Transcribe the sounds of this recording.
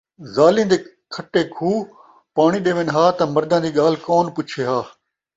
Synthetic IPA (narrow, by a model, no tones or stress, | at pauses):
zaːlĩːnd̪eː | kʰəʈeːkʰuː | paːɽ̃iɗeːʋeːnɦaːt̪ɐmɐɾd̪ãːd͡ʑ̪iːɠaːl̤kɔːnpʊt͡ʃʰeːɦaː